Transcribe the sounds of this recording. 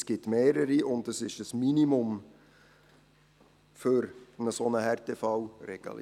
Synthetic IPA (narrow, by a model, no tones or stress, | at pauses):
sɡ̥ɪtmeːɾəɾiʔʊndəsɪʃəsminimʊm | fʏɾnəsonəhɛrtefɑwrɛɡ̥ə̰l